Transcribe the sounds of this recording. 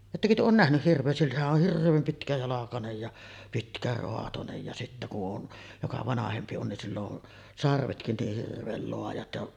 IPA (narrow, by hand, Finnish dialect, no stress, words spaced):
etːækø tyø oːn næhnyh hirʋˑeː silːæhæʔ ʔoh hirʋˑeːm pitkæjɑlɑkɑnej jɑ pitkæroɑtonej jɑ sitːæ ku ʔon jokɑ ʋɑnɑhempi on nin silː on sɑrʋetkin niːh hirʋˑeːl loɑjɑt jɑʔ